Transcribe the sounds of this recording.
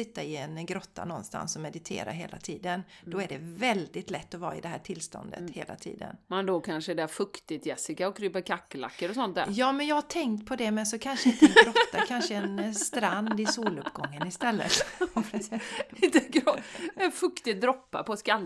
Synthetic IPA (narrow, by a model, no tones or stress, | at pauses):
sɪt̪ːaɪɛnɡɾɔt̪ːa̰nɔnst̪a̰nsɔmɛd̪ɪt̪ʰḛːɾa̰ɦeːla̰t̪ʰiːd̪ənd̪̥ɔæɖɛvɛld̪ɪt̪lɛt̪ːɔvɑ̰ːɪd̪ɛɦæːʈʰɪlːst̪ɔ̰nd̪ə̰t̪hḛːla̰t̪ʰḭːd̪ə̰nmand̪okʰanʂəd̪ɛfɵkt̪ɪt̪jɛsɪkaɔkʰɾyːpəɾkʰakːəla̰kːəɾɔsɔnt̪̚d̪æ̰ːjɑːmɛnjaːhaʈ̪ʰɛŋkt̪pʰɔd̪ɛmɛnsɔkʰanʂəɪnt̪ɛəɡɾɔt̪ːakʰanʂəɛnst̪ɾand̪ɪsuːlɵpːɡɔŋːənɪst̪ɛlːə̰t̪ | ɪnt̪əɡɾɔɛnfɵkt̪ɪd̪ɾɔpːa̰pɔskal